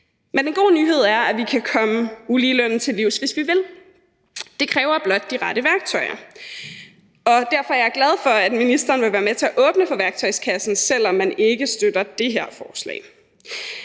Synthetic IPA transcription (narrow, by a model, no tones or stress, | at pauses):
menenɡ̥o̝̰ːnyːɦe̝ð̞̰ˠæɐæʋikʰækʰɒ̽məuliːløn̰n̩t͡sʰe̝lːiʊ̰sʋe̝sʋiʋe̝l | d̥e̝kʰʁɛːʊɐb̥lɒ̽d̥̚ːiʁɑ̈ɾ̥əʋæɐɡ̥t͡sʰɒ̽ɪɐ̰ | ɒ̽d̥æɐ̰fɒ̽æɐɐɡ̥lɛð̞ˠfɒ̽æd̥minisd̥ɐːnʋe̝ʋæːɐmet͡sʰe̝æʔɔ̽ːb̥nəfɒ̽ʋæɐɡ̥̚t͡sʰɒ̽ɪskʰæsn̩sel̰ɒ̽mːæne̝ɡ̥əsd̥ød̥ɐd̥e̝ɦeɐ̰fɒːslɛ̰ːɪ